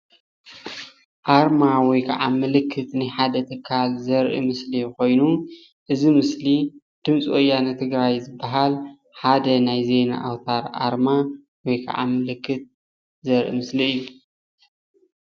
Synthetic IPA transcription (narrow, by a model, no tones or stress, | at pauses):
ʔaɾmawɔjkʰɐʕa̰mːɨlɨkʰːɨt̪najħad̪ɐt̪ʰɨkʰːalzɐɾʔḭmɨsliko̞jnu | ʔɨzimɨsli | d̪̥ɨmt͡sʼʔojanɐt̪ʰɨɡɾajzɨbːaɦal | ħad̪ɐnajze̞jna̰ʔawt̪ʰaɾʔa̰ɾma | wɔjkʰɐ̰ʕa̰mɨlɨkːɨt̪̚ | zɐɾʔḭmɨsliɨjːu